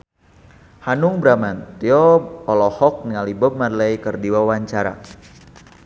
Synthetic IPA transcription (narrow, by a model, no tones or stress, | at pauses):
hanʊŋbɾamant̪iɔɔlɔhɔk̚niŋalibəp̚madlajkərdiwawaɲt͡ʃaɾa̰